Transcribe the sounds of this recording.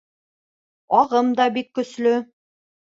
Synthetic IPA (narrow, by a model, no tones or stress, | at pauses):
ɒʁɤmd̪ɑbikːɵ̆slɵ